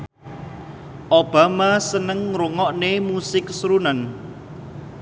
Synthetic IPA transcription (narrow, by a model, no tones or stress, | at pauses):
ʔob̥a̤masənəŋɾuŋɔʔnemusɪksɾunan